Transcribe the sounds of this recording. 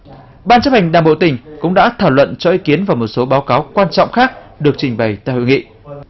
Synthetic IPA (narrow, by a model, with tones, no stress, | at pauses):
ɓaː˧nt͡ɕa˦˥p̚ha˨˩jŋ̟ɗaː˨˩mɓo̰˧˨t̪ï˨˩ŋ̟kʊ̰˧˥ŋ͡mɗa̰ː˧˥t̪ʰaː˨˧˩wlwə̰˧˨nt͡ɕɔ˧ʔi˨˦ki˨˦ənvaː˨˩wmo˨˩t̚so˨˦ɓaː˨˦wkaː˨˦wkwaː˧nt͡ɕɔ̰˧˨wŋ͡mxaː˦˥k̚ɗɨ˨˩ək̚t͡ɕï˨˩ŋ̟ɓə˨˩jt̪a̰˧˨ho̰˧˨ŋḭ˧˨